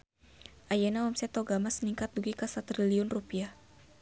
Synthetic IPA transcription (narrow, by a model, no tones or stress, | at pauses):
ʔajanawɔmsɛt̪oɡamasəniŋkat̪̚duɡikasat̪ɾiliʊnrupia